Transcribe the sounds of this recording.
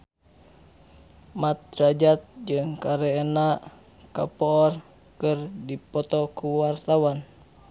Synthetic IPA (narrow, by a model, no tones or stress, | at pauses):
mat̪̚ɾad͡ʒat̪̚d͡ʒɨŋkaɾɛːna | ka̰pɔːr | kɨrdipɔt̪ɔkuwart̪awan